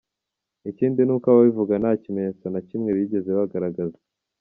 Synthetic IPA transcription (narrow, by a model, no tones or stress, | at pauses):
iciːndinuːkaβaβivuɡanacimeɲet͡sonacimŋe̞βiɟe̞zeβaɡaɾaɡaze